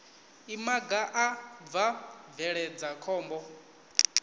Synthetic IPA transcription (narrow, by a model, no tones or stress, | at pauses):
imaɡaʔavavɛɺɛd͡zakʰɔːmbɔ